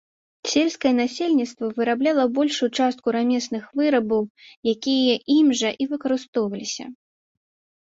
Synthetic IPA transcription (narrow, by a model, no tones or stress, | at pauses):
sʲelʲskɐjɛnasʲelʲnʲit̪st̪vɐvɨɾablʲalˠɐbɔlʲʂujut͡ʂast̪̚kuɾamʲɛsnɨxvɨɾɐbɐwjakʲijɐʔimʐɐʔivɨkɐɾɨst̪ɔwvɐlʲisʲɐ̰